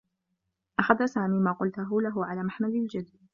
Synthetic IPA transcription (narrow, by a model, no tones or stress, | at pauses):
ʔaxaðasaːmiːmaːqʊlt̪ʊɦʊlaɦʊʕalaːmaħmad̪ɪld͡ʒad̪ː